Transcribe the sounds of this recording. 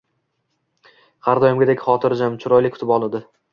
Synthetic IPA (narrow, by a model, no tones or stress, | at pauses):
haɾd̪ɒjɪmɡʲad̪ekʲχɒt̪ʰɪɾd͡ʒamt͡ʃʰʊɾɒjlɪkʰːʊ̥t̪ʰɪpɒlˠɪd̪ɪ